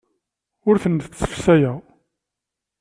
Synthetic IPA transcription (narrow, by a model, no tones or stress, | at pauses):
ʊɾθənθθsə̥fsæjæ